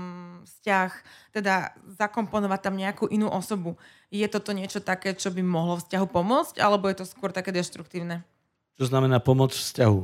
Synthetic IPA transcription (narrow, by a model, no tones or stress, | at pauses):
fscaxt̪ɛd̪azakɔmpɔnɔʋac̚t̪amɲɛakuːʔinuːʔɔsɔbu | jɛt̪ɔt̪ɔɲɪɛt͡ʃɔt̪akɛːt͡ʃɔbimɔɦlɔfscaɦupɔmʊɔt͡sca̰lɛbɔjɛt̪ɔskʊɔɾt̪akɛːd̪ɛʃt̪ɾukt̪iːʊnɛ | t͡ʃɔznamɛnaːpɔmɔt͡sfscaɦu